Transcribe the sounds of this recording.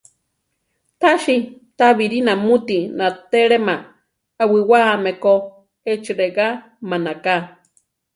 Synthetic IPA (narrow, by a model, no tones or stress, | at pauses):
t̪aʃi | t̪aβiɾinamut̪inat̪eɺemaː | wiwameko | et͡ʃiɾeɣa | manaka